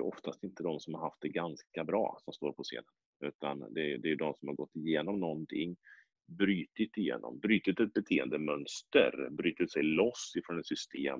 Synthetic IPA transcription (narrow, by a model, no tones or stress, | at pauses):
jɵʔɔft̪ʰast̪ɪnt̪əd̪ɔmsɔmhaɾɦaft̪̚d̪ɛɡanskabɾɑ̰ːsɔmst̪oːɾpʰɔsḛːnən | ʉ̟ːt̪and̪ɛd̪ɛæɾjɵd̪ɔmsɔmhaɾɡɔt̪ːɪjeːnɔmnɔnt̪ʰɪŋː | bɾyːt̪ɪt̪ːɪjḛːnɔ̰mbɾyːt̪ɪt̪ɛt̪̚bɛt̪ʰeːənd̪əmœnst̪ə̰ɾbɾyːt̪ɪt̪sɛjlɔsːɪfɾonɛt̪sʏst̪ʰeːm